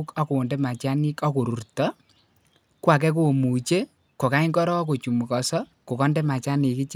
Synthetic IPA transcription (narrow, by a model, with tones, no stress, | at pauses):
kɔ˦ko˨o˨ndɛ˦ma˨t͡ʃa˦nɪ˦kɔ˦ko˨ɾu˨ɾtɔ | kwa˨k̬ɛ˦k̬o˦o˨mu˨t͡ʃe˦ | ko˨ka˦i˦ŋkɔ˦ɾɔ˦ko˨t͡ʃu˨mu˨kɔsɔ˦ | ko˨kɔ˦ndɛ˦ma˨t͡ʃa˦ni˨kɪ˦t͡ʃ